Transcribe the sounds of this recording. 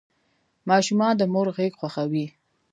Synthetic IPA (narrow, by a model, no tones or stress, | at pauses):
mɑʃumɑnd̪əmoɾɣeɡxwaxawi